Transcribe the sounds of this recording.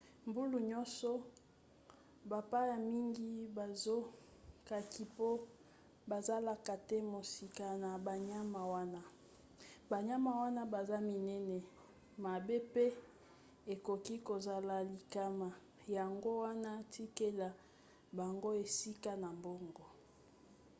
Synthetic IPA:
mbu˦lu˨ɲɔ˦nsɔ˦ | ba˨pa˦ja˨mi˦ŋɡi˦ba˨zo˦ | ka˨ki˨po˦ | ba˨za˦la˨ka˨tɛ˦mo˨si˨ka˨na˨ba˨ɲa˦ma˨wa˦na˦ | ba˨ɲa˦ma˨wa˦na˦ba˨za˦mi˨nɛ˦nɛ˨ | ma˨be˦pe˦ | e˨ko˨ki˦ko˨za˨la˨li˨ka˦ma˨ | ja˨ŋɡo˦wa˦na˦ti˦ke˦la˨ | ba˨ŋɡo˦e˨si˦ka˦na˨mbo˦ŋɡɔ˨

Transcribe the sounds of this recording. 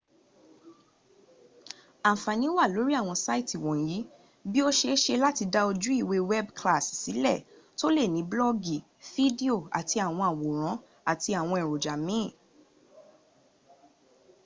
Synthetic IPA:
a˨fa˨nĩ˨˦wa˦˨lo˨˦ɾi˦a˦˨w̃ɔ̃˧sa˦i˦ti˨wɔ̃˨ji˨˦ | bi˦o˦ʃe˧˦ʃe˧la˦ti˧da˧o˧d͡ʒu˦i˦˨we˧wɛ˦bkla˦˨si˨si˨˦lɛ˦˨ | to˦le˦˨nĩ˨˦blɔ˦ɡi˨ | fi˦di˦o˦˨a̰˨tʰi˧a˨w̃ɔ̃˧a˨wo˨ɾ̃ã˨˦ | a˦˨ti˧a˨w̃ɔ̃˧i˨ɾo˨d͡ʒa˨mĩ˨˦˨

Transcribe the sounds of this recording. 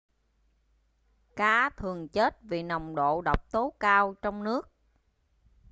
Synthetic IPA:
kaː˨˦t̪ʰɨ˨˩əŋt͡ɕe˦˥t̚vi˨˩na˨˩wŋ͡mɗo̰˧˨ɗə˨˩wk͡p̚t̪o˨˦kaː˧wt͡ɕɔ˧wŋ͡mnɨ˦˥ək̚

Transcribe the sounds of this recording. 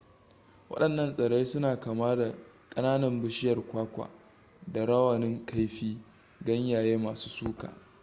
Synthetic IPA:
wɐ̰˦ɗɐ˨nːɐ˦nsʼɐ˨ɽe˦sʊ˦naː˨kaː˨maː˦da˨ | kʼɐ˦naː˦nɐ˨mbʊ˦ʃɪ˦jɐ˨rkʷaː˦kʷa̰˨ | da˨ɽɐ˦wɐ˨nɪ˦ŋka˦jɸiː˦ | ɡɐ˦ɲjaː˨jeː˦maː˨suː˦suː˦ka̰ː˨

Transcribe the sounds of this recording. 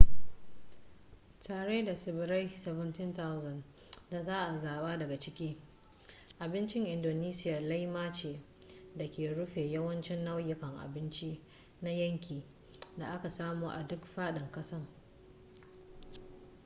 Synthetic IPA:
taː˨ɽeː˦da˨sɪ˨bɪ˨ɾa˦jsɛ˨vɪ˦ntɪ˦nta˦wzɐ˨n | da˨zaː˦ʔa˨zaː˨ɓaː˦dɐ˨ɡa˨t͡ʃɪ˦kʲiː˦ | ʔa˨bɪ˦nt͡ʃɪ˦ŋʔɪ˨ndoː˨niː˦sɪ˦ja˨la˦jmaː˦t͡ʃeː˨ | dɐ˨kʲeː˨ɽʊ˦ɸeː˨jɐ˦wɐ˦nt͡ʃɪ˦nːɐ˦wjɪ˨kɐ˨ŋʔa̰˨bɪ˦nt͡ʃiː˦ | na˦jɐ˦ŋkʲiː˨ | da˨ʔa˦ka˨saː˦muː˨ʔa̰˨dʊ˦kɸaː˦ɗɪ˨ŋkɐ˦sɐ˦ŋ

